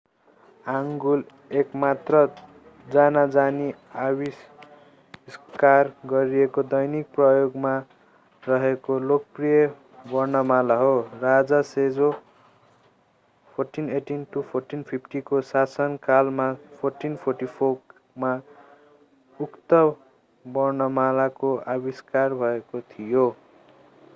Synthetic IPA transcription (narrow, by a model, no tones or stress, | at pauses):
aŋɡul | ekmat̪rʌ | d͡zanad͡zani | awis | skarɡʌɾiekod̪ʌjnik̚prʌjoɡma | rʌɦekolok̚prijʌ | bʌrnʌmalaɦorad͡zased͡zo | pʰorʈineʈinʈupʰorʈinpʰipʰʈikosasʌnkalmapʰorʈinpʰorʈipʰo | ma | ukt̪ʌb | bʌrnʌmalakoabiskarbʱʌekot̪ʰijo